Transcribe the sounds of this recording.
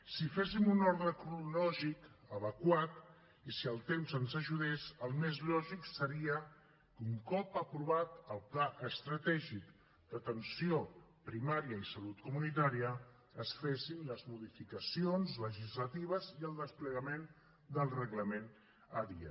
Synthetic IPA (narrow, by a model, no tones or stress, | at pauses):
sifesimunɔɾðɾəkɾulɔʒikəβəkwat̪ | isiəlˠt̪emzənzəʒuð̞esəlˠmezʎlɔʒiksəɾiə | kuŋkɔpəpɾuβat̪əlˠplaʔəst̪ɾət̪ɛʒik | d̪ət̪ənsio | pɾimaɾiəisəlut̪kumunit̪̬aɾiəː | sfesinləzmuðifikəsionzləʒizlət̪iβ̞əziəlˠd̪əspləɣəmen | d̪əlˠrəɣləmen | əðḭə̰